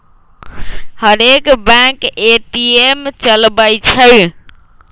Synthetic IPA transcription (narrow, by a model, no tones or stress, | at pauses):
həɾekbãkeʈiemt͡ʃəlbəjt͡ʃʰəj